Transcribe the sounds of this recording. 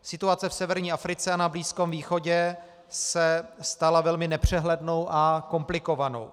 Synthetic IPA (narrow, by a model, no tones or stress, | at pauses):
sɪt̪uat͡sɛfsɛvɛɾɲiːʔafɾɪt͡sɛanabliːskomviːxo̞ɟɛ | sɛst̪alavɛlmɪnɛpr̝̥ɛɦlɛdno̞wʔako̞mplɪko̞vano̰w